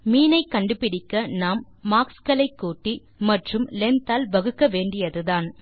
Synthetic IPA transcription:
miːnɐɪkːɐɳɖɯpɪɽɪkːɐnaːmː | aːkskɐlɐɪkːuːʈːi | mɐʈrɯmlɛnt̪aːlʋɐɣɯkːɐʋeːɳɖɪjɐðɯðaːn

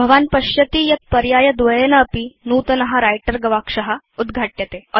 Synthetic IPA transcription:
bʱəʋanpəɕjət̪iːjɐt̪̚pəɾjajəd̪ʋəjənəːpiːnut̪nəɦaɾajʈəɾɡəʋakʂəɦa | ud̪ɡʱaʈjət̪e

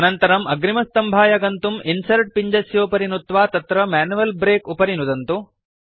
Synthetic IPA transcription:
ɐnɐnt̪ɐɾɐmɐɡɾimɐst̪ɐmbʱaːjɐɡɐnt̪uminsɐɾʈ̚piɲd͡ʒɐsjoːpɐɾinut̪ʋaːt̪ɐt̪ɾɐmaːnuʋɐlbɾeːkupɐɾinud̪ɐnt̪u

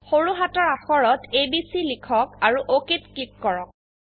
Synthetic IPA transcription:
xoɹuɦatɔɹaxɔɹɔtʰebisilikʰɔkaɹuʔokitkip̚kːɔɹɔk̚

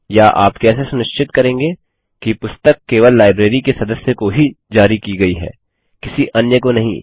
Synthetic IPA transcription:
jaʔa̰ːpkɛːsesʊnɪʃt͡ʃɪt̪kɐɾẽːŋɡeː | kipʊst̪əkːeːʋəlːaːɪbɾeːɾikesɐd̪əsjəkoɦid͡ʒaːɾikiɡɐiɦɛ̰ː | kɪsiʔɐnjəkonɐɦḭ̃

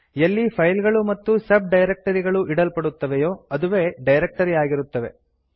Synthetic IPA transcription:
elːipʰɐjlɡɐɭumɐt̪ːusɐb̚ɖɐjɾek̚ʈɐɾiɡɐɭuʔiɽɐlpɐɽut̪ːɐʋejoːɐd̪uʋeːɖɐjɾek̚ʈɐɾiaːɡiɾut̪ːɐʋe̞

